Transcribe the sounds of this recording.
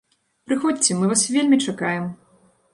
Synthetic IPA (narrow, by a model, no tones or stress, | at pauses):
pɾɨxɔt͡sʲɛmɨvasvʲelʲmʲit͡ʂakajɛm